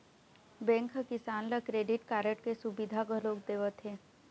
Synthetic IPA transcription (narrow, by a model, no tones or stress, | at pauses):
bɛ̃ːŋkɦəkɪsaːnləkɾeːɖɪʈkaːɾəʈkesubid̪ʱaɡʱəloːk̚d̪eːʋət̪ɦeː